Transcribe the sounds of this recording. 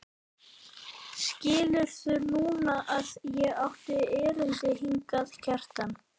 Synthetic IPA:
scɪːlʏɾ̥θʏnuːnaʔaðjɛawht̪ɪɛːɾʏnt̪ɪɦiŋkaðcʰɛr̥t̪an

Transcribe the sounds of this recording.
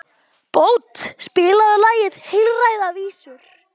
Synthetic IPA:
poːwt̪spɪːlaðʏlaːjɪðhɪlraːjðaviːsʏɾ̥

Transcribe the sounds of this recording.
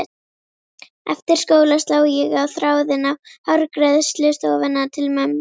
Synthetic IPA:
ɛ̰ft̪ɪɾ̥skoːwlast̪laːwjɛɣawθɾaːwðɪnavhœɾkɾɛðst̪lʏst̪ɔːwvɛnːat̪ʰɪlmœmː

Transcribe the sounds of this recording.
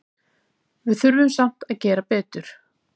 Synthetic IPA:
vɪðθʏɾvʏmsam̥t̪aðcɛːɾapɛːt̪ʏɾ̥

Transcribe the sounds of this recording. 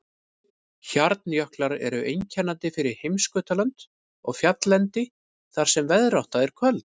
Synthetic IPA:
çaɾt̪njœhklaɾɛ̰ɾʏʔejɲcʰanːant̪ɪfɪɾɪɾ̥hejmskʏːt̪alant̪ | ɔ̰ɣfjat̪lɛnt̪ɪ | θaɾ̥sɛmvɛðɾawht̪aðɛɾ̥kʰvœlt̪n̥

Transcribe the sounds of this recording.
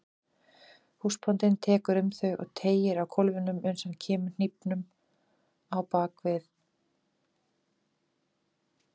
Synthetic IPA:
huspʰɔnt̪ɪnt̪ʰɛːkʏɾʏmθœɥʔɔ̰ɣt̪ʰeːjɪɾawkʰɔlvʏnʏmœɥnsancʰɛːmʏn̥ipnʏm | awpaːkvɪθ

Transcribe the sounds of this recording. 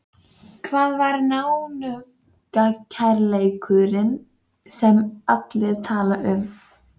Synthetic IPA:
kʰvaːðvaɾnaːwnʏ | kacʰɛɾlejkʰʏðɾɪn | sɛmat̪lɪð̥t̪ʰaːlaʔʏm

